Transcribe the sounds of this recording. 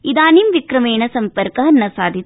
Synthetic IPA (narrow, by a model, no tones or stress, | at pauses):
id̪aːnimʋikɾɐmeːɳɐsɐmpɐɾkɐɦɐnːɐsaːd̪ʱi